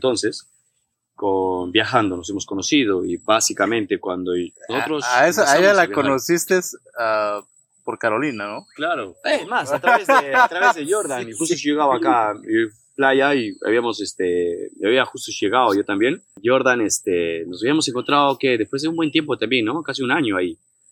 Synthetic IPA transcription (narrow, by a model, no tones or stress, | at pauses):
ent̪o̞nse̞s | konbjaxand̪o̞no̞se̞mo̞sko̞no̞sið̞o̞ibasikamẽ̞nt̪e̞kwand̪onosoɾosesoaezalakonosist̪es | a | poɾkaɾo̞linanoklaɾomasat̪ɾaβezeat̪ɾaβezðeʝoɾðanixust̪oʝeɣaβaakao | plaʝaia̰βiamo̞sest̪eaβiaxust̪osʝe̞ɣaðoʝo̞t̪ambje̞nɟ͡ʝo̞ɾðanest̪enosaβiamo̞s̬e̞ŋkont̪ɾaðokeðespwezðeumbwe̞nt̪je̞mpot̪ambje̞nːo̞kas̬iunaɲo̞ai